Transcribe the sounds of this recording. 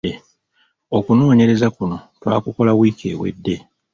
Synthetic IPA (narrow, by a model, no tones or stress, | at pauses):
e | o̞kuno̞ːɲe̞ɾe̞zakuno̞twaːkuko̞lawiːkʰe̞ːwe̞̰dːe̞